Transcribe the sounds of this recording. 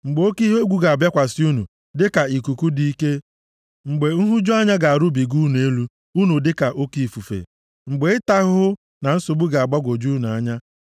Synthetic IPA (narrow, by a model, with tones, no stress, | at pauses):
ŋ͡m̩˨ɡ͡bo˦ki˦ɦe˦ɡʷu˦ɡa˨a˨bja˦kʷa˨sɪ˦u˦nu˨ | dɪ˦ka˨i˨ku˨ku˦di˦i˦ke˦ | ŋ͡m̩˨ɡ͡be˨ŋ̩˦ɦu˦d͡ʒo˦a˦ɲa˦ɡa˨a˨ɾʊ˦bi˨ɡu˦nu˨e˦lu˦ | u˦nu˨dɪ˦ka˨ʔo˦ki˨fu˨fḛ˨ | ŋ͡m̩˨ɡ͡be˨ɪ˦ta˦ɣʊ˦ | na˨n̩˦sʊ˨bu˦ɡa˨a˨ɡ͡ba˦ɡʷo˨d͡ʒu˦n˨a˦ɲa˦